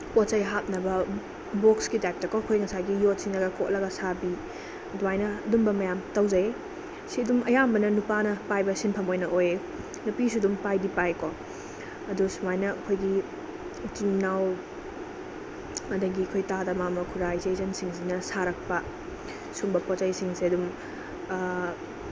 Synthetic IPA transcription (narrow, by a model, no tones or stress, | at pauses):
kot̚sɐjɦap̚nɐbɐ | bokskitajp̚tɐkoɐkʰojŋɐsajɡijot̚siŋɐɡɐkot̚lɐɡɐsabi | ɐduajnɐɐdumbɐmɐjamtɐwzɐe | siɐdumʔɐjambɐnɐnupanɐpajbɐsinpʰɐmojnɐʔoje | nupisudumpajdipajko | ɐdusumajnɐɐkʰojɡi | t͡ʃiŋnːaw | ɐdɐɡiɐkʰojtadɐmamɐkʰuɾajzezɐnsiŋs̬inɐsaɾɐk̚pɐ | sumbɐpɔt͡ʃajsiŋsiɐdum